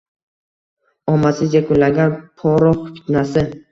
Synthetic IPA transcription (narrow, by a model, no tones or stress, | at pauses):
ɒmasɪd͡ʒakʰʊlːaɡʲanpʰɒɾɒqfɪ̥t̪nasɪ